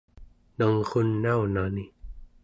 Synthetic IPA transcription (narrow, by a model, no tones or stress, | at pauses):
nʌŋʁunːaunani